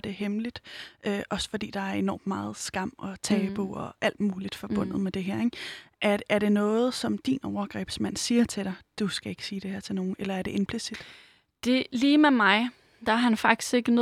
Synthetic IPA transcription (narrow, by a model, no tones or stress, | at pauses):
d̥e̝hemlid̥ʔøːʔɒ̽sə̥fɒ̽d̥ḭːd̥ɑ̈æɐe̝nɒ̰ːmːmɑ̈ːð̞̩ˠsɡ̥ɑ̈m̰ɒ̽t͡sʰɛːb̥oɒʔæl̰d̥muːlid̥fɒ̽b̥ɔ̽n̰ð̩ˠmed̥e̝ɦeɐ̰eɡ̥ʔæɐːɐɾe̝nɔ̽ːð̞̩ˠsɒ̽md̥ḭːnɒʊɐɡ̥ʁɛ̰ːb̥smæn̰siːɐt͡sʰe̝ɾ̥ɑ̈ɪd̥usɡ̥æe̝ɡ̥siːd̥e̝hæɐ̰t͡sʰe̝lno̝ːn̩elɐæɐde̝ʔe̝npʰlisid̥ | d̥e̝liːmemɑ̈ɪ | d̥ɑ̈æɐhænfɑ̈ɡ̥̚d̥i̥sɡ̥e̝ɡ̥ənɔ